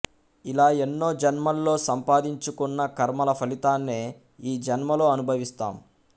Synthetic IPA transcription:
ilaːenːo̞ːd͡ʒɐnmɐlːo̞ːsɐmpaːd̪iɲt͡ʃukunːɐkɐɾmɐlɐpʰɐlit̪aːnːeː | iːd͡ʒɐnmɐlo̞ːɐnubʱɐʋist̪a̰ːm

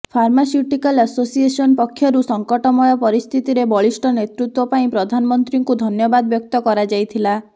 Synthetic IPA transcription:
pʰaɾmasjuʈikalasosiesɔnpɔkʰːjɔɾusɔŋkɔʈɔmɔjɔpɔɾist̪ʰit̪iɾebɔɭisʈɔnet̪ɾut̪wɔpaĩpɾɔd̪ʱanɔmɔnt̪ɾiŋkud̪ʱɔnjɔbad̪ɔbjɔk̚t̪ɔkɔɾad͡ʒajt̪ʰila

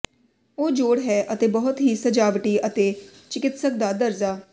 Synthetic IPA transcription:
oːd͡ʒoːɽɦɛːʔət̪eːbəɦʊt̪ɦiːsəd͡ʒaːʋʈiːʔət̪eːt͡ʃɪkɪt̪sək̚d̪aːd̪əɾzaː

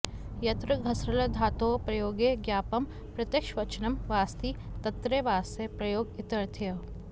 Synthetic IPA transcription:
jɐt̪ɾɐɡʱɐsɾɐlɐd̪ʱaːt̪oːpɾɐjoːɡeɡjaːpɐm | pɾɐt̪jəkʃʋɐt͡ʃɐnɐmʋaːst̪iːt̪ɐt̪ːɾeʋaːsepɾɐjoːɡɪt̪ɐɾt̪ʰjɐ

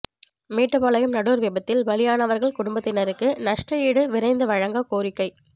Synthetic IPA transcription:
meːʈːɯpaːlɐjɯmnɐɽuːɾʋɪbɐt̪ːɪlʋɐlɪjaːnɐʋɐɾɣɐɭkʊɽʊmbɐt̪ːɪnɐɾɯkːɯnɐʂʈrɐjiːɽɯʋɪɾɐɪnd̪ɯʋɐɻɐŋɡɐkoːɾɪkːɐɪ

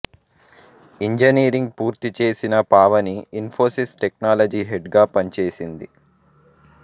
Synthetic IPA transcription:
iɲd͡ʒɐniːɾiŋɡ̚puːɾt̪it͡ʃe̞ːsinɐpaːʋɐniinpʰo̞ːsisʈeknaːlɐd͡ʒiːɦeɖɡaːpɐnt͡ʃe̞ːsind̪i

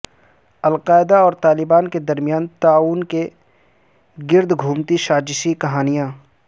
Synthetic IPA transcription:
ɐlqaːɪd̪aɔːɾt̪aːlɪbaːnked̪ɐɾmijaːnt̪aːuːnke | ɡɪɾd̪ʱɡʱuːmt̪iʃaːd͡ʒʃikɐɦaːnijãː

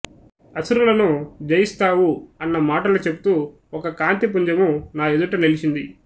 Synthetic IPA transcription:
ɐsuɾulɐnud͡ʒɐjist̪aːwuɐnːɐmaːʈɐlut͡ʃe̞but̪uː | ɔkɐkaːnt̪ip̬uɲd͡ʒɐmunaːed̪uʈɐnelit͡ʃind̪i

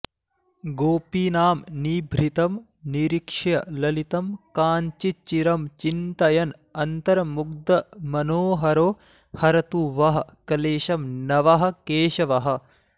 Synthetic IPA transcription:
ɡoːpiːnaːmniːbʱɾit̪ɐm | niɾikʂɐjɐlɐlit̪ɐmkaːɲt͡ʃit͡ʃːiɾɐmt͡ʃint̪ɐjɐn | ɐnt̪ɐɾɐmuɡ̚d̪ɐmɐnoːɦɐɾoː | hɐɾɐt̪uʋɐɦɐ̆kɐleːʃɐmnɐʋɐɦɐ̆keːʃɐʋɐɦɐ̆

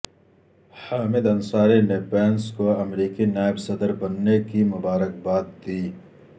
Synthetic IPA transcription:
haːmɪd̪ɐnsaːɾenepɛːnskoɐmɾiːkinaːɪbsɐd̪əɾbɐnːekimʊbaːɾək̚baːt̪̚d̪iː

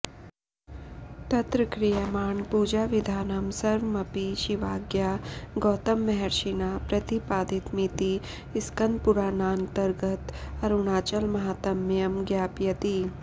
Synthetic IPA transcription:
t̪ɐt̪ɾəkɾijɐmaːɳpuːd͡ʒaːʋɪd̪ʱaːnəmsɐɾʋmɐpiʃɪʋaːɡjaːɡɔːt̪ɐmːɛɦɛɾʃinaːpɾɐt̪ipaːd̪it̪mit̪i | ɪskɐnd̪̚pʊɾaːnaːnt̪ɐɾɡət̪ɐɾʊnaːt͡ʃəlmɐɦaːt̪ɐmːjɐmɡjaːpjɐt̪i

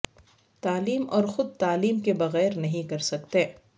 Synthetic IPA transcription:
t̪aːliːmɔːɾxʊd̪̚t̪aːliːmkebɐɣɛːɾnɐɦĩkɐɾsɐk̚t̪ẽː

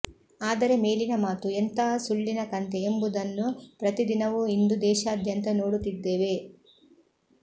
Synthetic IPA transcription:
aːd̪ɐɾe̞me̞ːlinɐmaːt̪uent̪ɐɦɐsuɭːinɐkɐnt̪eːmbud̪ɐnːupɾɐt̪id̪inɐʋuind̪ud̪ɛːʃaːd̪ʱjɐnt̪ɐno̞ːɽut̪ːid̪ːeːʋe̞

